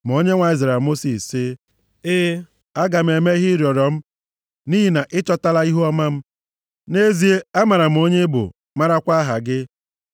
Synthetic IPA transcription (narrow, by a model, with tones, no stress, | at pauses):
m̩˨o˦ɲe˦ŋʷa˨i˦zɾa˨a˨mo˦si˨sɪ˦ | ɪ˦ | a˦ɡa˨m̩˨e˨me˦ɦɪ˦ɾjɔ˨ɾɔ˨m̩˦ | ni˦ɦi˨na˨ʔɪ˦t͡ʃɔ˦ta˦la˦i˦ɦu˦ɔ˦ma˦m̩˦ | ne˦zi˨e˦a˦ma˨ɾa˨m̩˨o˦ɲe˦bʊ̰˨ | ma˦ɾa˦kʷa˦ɦa̰˨ɡɪ˦